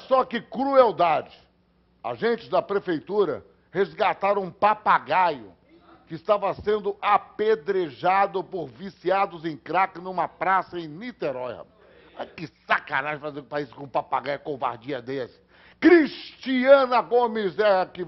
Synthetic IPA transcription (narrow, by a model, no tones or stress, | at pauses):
sɔkɪkɾuewd̪ad͡ʒɪ | a̰ʒẽnt͡ʃɪzd̪ɐpɾefejt̪uɾɐ̰ | hezɡat̪aɾɐ̃ũpapaɡajʊ̰ | kɪːst̪avɐsẽnd̪ʊʔaped̪ɾeʒad̪ʊpoɾvisiad̪ʊzẽj̃kɾakɪnũmɐpɾasɐẽj̃nit̪eɾɔjɐ̰ | akɪsakãnaʒfazepaisʊ̥kõpapaɡajʊkova̰ɾd͡ʒiɐd̪esɪ̥ | kɾist͡ʃiɐ̃nɐɡõmɪzɛkɪ